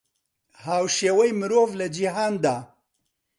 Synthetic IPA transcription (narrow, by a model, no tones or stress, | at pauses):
haːwʃeːwɐjmɨɾoːvlɐd͡ʒiɦaːnd̪aː